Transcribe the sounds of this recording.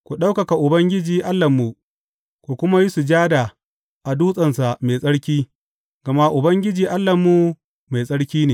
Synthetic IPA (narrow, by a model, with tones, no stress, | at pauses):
kʷu˨ɗa˦wkɐ˨ka˨ʔʊ˨bɐ˦ŋɡʲɪ˦d͡ʒiː˨ʔa˦lːɐ˨mːu˨ | kʷu˨kʷʊ˦ma˦ji˦su˨d͡ʒaː˦da˨ | ʔa˨duː˦sʼɐ˨nsa˨ʔme˨sʼɐ˦ɽkʲiː˦ | ɡ̥ɐ˨ma˦ʔʊ˨bɐ˦ŋɡʲɪ˦d͡ʒiː˨ʔa˦lːɐ˨mːu˨ | ma˨jsʼɐ˦ɽkʲiː˦neː˨